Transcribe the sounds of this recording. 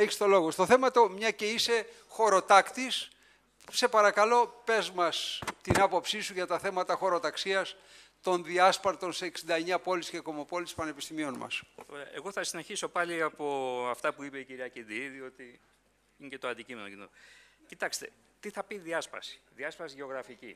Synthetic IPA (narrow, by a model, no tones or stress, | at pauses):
eçi̥st̪o̞lo̞ɣo̞st̪oθe̞mɐt̪o̞mɲɐce̞ise̞ | xo̞ɾo̞t̪ɐkt̪is | se̞pɐɾɐkɐlo̞pe̞zmɐst̪inɐpo̞psisuʝɐt̪ɐθe̞mɐt̪ɐxo̞ɾo̞t̪ɐksiɐst̪o̞nðiɐspɐɾt̪o̞nseːksind̪ɐeɲɐpo̞lisce̞ko̞mo̞po̞lispɐne̞pist̪imio̞nmɐ̰st̪o̞ɾeɐʔeɣo̞θɐsineçiso̞pɐliɐpo̞ɐft̪ɐpuipe̞iciɾiɐcind̪iðio̞t̪i | inecet̪oɐnd̪icimenocinocit̪ɐkst̪e̞ | t̪iθɐpiðiɐspɐ̰si̥ðiɐspɐsiʝeo̞ɣɾɐfici